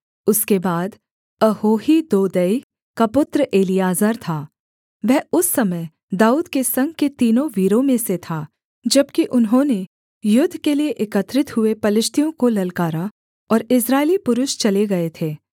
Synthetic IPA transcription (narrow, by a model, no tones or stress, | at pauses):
ʊskebaːd̪ | ɐhoːɦid̪oːd̪əi | kapʊt̪ɾəʔeːlijaːzəɾt̪ʰaː | ʋɛɦʊsːɐməj | d̪aːuːd̪kesɐ̃ŋɡ̚ket̪iːnõʋiːɾõmẽset̪ʰaː | d͡ʒɐbkiʔʊnɦõːne | jʊd̪ʱːkelieʔɪkət̪ɾɪt̪ɦʊepɐlɪʃt̪ʰijõkolɐlkaːɾa | ɔːɾɪsɾaːelipʊɾʊʃt͡ʃɐleɡɐet̪ʰeː